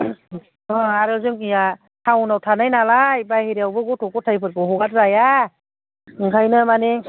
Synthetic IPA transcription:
ɔaɾɯzɯŋija | tʰawnawtʰanajnalajbajhiɾijawbɯɡɔtʰɔkɔtʰajpʰɯt̚kɔɦɔɡatzaja | ɯŋkʰajnɯmane

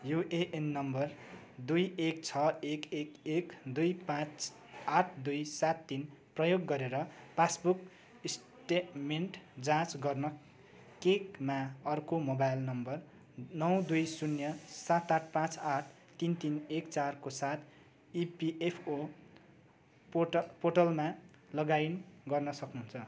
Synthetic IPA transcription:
juʔeʔenːʌmbʌr | d̪ujek̚t͡sʰʌekekekd̪ujpãt͡s | aʈʰd̪ujsat̪ːinprʌjoɡːʌɾeɾʌpʰasbuk | s | ʈeʈmeɳʈd͡zãt͡sɡʌrnʌ | kekmaʌrkomobajlnʌmbʌr | nʌwd̪ujsunjʌsat̪aʈ̚ʰpãt͡saʈʰ | t̪int̪inekt͡sarkosat̪ʰ | ipiʔepʰo | poʈʌlma | lʌɡajnɡʌrnʌsʌknuɦunt͡sʰʌ

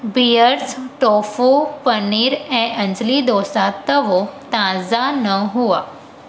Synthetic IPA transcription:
bijəɾsʈoːfupəniɾɛ̃ːʔɐ̃ɲd͡ʒlid̪oːsat̪ɐʋot̪ãːzanəɦuaː

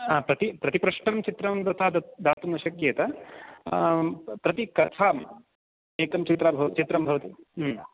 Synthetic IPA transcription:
apɾɐt̪ipɾɐt̪ipɾɐʂʈɐmt͡ʃit̪ɾɐmt̪ɐt̪ʰaːd̪d̪aːt̪umɐʃɐkjeːt̪ɐ | pɾɐt̪ikɐt̪ʰaːm | eːkɐmt͡ʃit̪ɾaːbʱɐʋɐt͡ʃit̪ɾɐmbʱɐʋɐt̪i

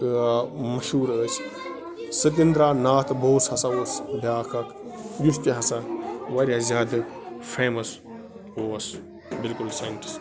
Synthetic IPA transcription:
ɨmɐʃuːɾəːt͡ʃʰ | sɨt̪̬ind̪ɾaːnaːt̪ʰboːshɐsaoːsbʱaːkʰɐkʰ | just̪iɦɐsaʋɐɾʲazʲaːd̪pʰeːmɐs | oːɐs | bɪlkulsaɳʈi̥s

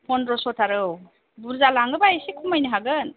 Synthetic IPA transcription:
pʰɔnɾɔsɔtaɾɯw | buɾzalaŋɡɯbajsekʰumajniɦaɡɯn

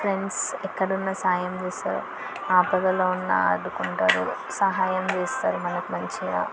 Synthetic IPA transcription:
pʰɾeɳɖsɛkːɐɽunːɐsaːjɐmd͡ʒeːsaːɾu | aːpɐdɐloːunːɐ̰ɐ̰ɖukuɳʈaːɾu | sɐɦaːjɐmd͡ʒeːsaːɾumɐnɐkumɐɲt͡ʃia̰ː

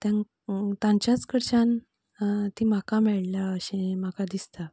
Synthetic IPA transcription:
t̪jãŋ | t̪ãɲt͡ɕjat͡skəɾt͡ɕãn | t̪imakamɛɭlaəɕẽmakad̪ist̪a

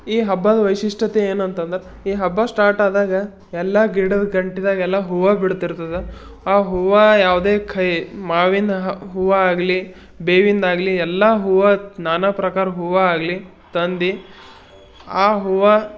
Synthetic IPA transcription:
iːɦɐbːad̪ɐʋɐjʂiʂʈʰɐt̪eeːnuɐnt̪ɐnd̪ɾe | iːɦɐbːasʈaːɾʈaːd̪aːɡɐ | ɛlːɐɡiɽɐd̪ɡɐɳʈid̪aːɡɐɛlːaɦuʋabiɽt̪iɾt̪ɐd̪e | aːɦuʋajaːʋd̪eːkʰɐjmaːʋind̪ɐɦɦuʋaaːɡli | beːʋind̪aːɡliɛlːaɦuʋanaːnapɾɐkaːɾɐɦuʋaaːɡli | t̪ɐnd̪i | aːɦuʋa

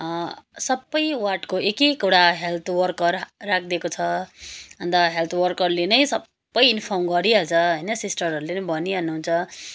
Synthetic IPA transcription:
sʌbːʌjwarʈkoʔekekuɽaɦelt̪ʰwʌrkʌrːakʰd̪ekot͡sʰʌɦʌnd̪aɦelt̪ʰwʌrkʌrlenʌjsʌbːʌjinpʰʌrmɡʌɾiʌt͡sʰʌɦʌjnʌsisʈʌɾʌɾulenebʌniʌnːuɦunt͡sʰʌ

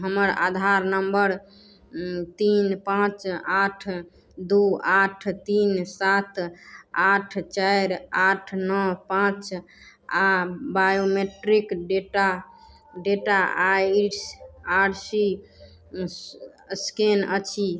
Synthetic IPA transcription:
ɦəməɾa̰d̪ʱaɾnəmbəɾ | t̪inpãt͡ʃaʈʰ | d̪uaʈʰt̪insat̪ʰaʈʰt͡ʃajɾaʈʰnɔpãt͡ʃ | abajomeʈɾikɖeʈa | ɖeʈaʔasaʈsi | skenət͡ʃʰi

